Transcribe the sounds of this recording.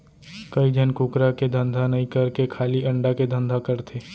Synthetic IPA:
kɐid͡ʒʱənkʊkɾaked̪ʱə̃nd̪ʱanɐɦĩkɐɾkekʰaːliɐ̃ɳɖaked̪ʱə̃nd̪ʱakɐɾt̪ʰeː

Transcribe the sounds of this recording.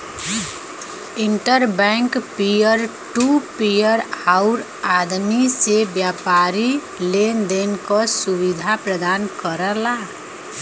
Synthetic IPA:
iɳʈəɾbɛŋkpijəɾʈupijəɾaʊɾ | ad̪misebjapaɾi | lend̪enkɔsubid̪ʱapɾəd̪ankəɾəla

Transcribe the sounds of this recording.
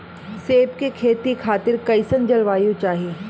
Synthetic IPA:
seːpkekʰeːt̪ikʰaːt̪ɪɾkɐɪsənd͡ʒɐlʋaːijũt͡ʃaːɦieː

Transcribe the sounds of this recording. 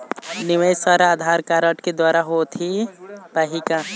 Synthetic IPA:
nɪʋəjsaɾaːd̪ʱaːɾkaɾəʈked̪waːɾaɦot̪ʰipəɦika

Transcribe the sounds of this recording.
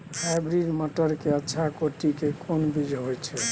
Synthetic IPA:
pʰabɾiɖməʈəɾkeətːʃʰakoʈikekʰonbid͡ʒɦojt͡ʃʰɛ

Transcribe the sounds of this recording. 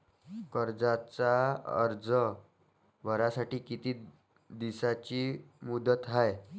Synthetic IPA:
kəɾd͡zat͡saə̰ɾd͡zə | ʋəɾasaʈiːkit̪iː | d̪isat͡ɕiːmud̪ət̪ɦaj

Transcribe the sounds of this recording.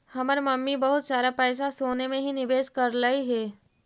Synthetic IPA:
hɐməɾmɐmːibɐɦʊt̪saːɾapɛːs̬asoːnemẽɦinɪbeːskɐɾlaiɦɛː

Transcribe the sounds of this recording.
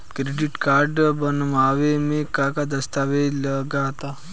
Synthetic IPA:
kɾeɖiʈkaɾɖbənmaʋemekakad̪əst̪aʋeləɡat̪a

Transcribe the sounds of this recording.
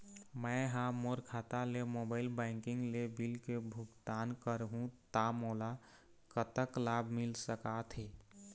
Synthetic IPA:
məɦãmoɾkʰat̪alemobaɪlbaɪŋkiŋɡlebilkebʱukt̪ankəɾɦũt̪amola | kət̪əklabʱmilsəkat̪ʰɦi

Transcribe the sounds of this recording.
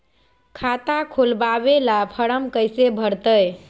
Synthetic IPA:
kʰat̪akʰolbabelapʰəɽəmkəjsebʱəɾt̪əj

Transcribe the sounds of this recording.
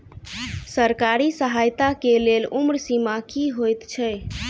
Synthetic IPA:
səɾkaɾisəɦajt̪akelelumɾsimakiɦojt̪t͡ʃʰɛj

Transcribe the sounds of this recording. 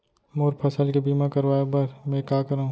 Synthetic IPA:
moːɾpʰɐsəlkibiːmãkɐɾʋaːjebɐɾmɛ̃ːkaːkəɾaːũ

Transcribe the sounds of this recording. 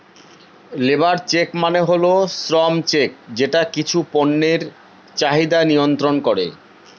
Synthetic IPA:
lebaɾt͡ɕekmaneɦolosɾɔmt͡ɕek̚d͡ʑeʈakit͡ɕʰuponːeɾ | t͡ɕaɦid̪anijont̪ɾonkoɾḛ

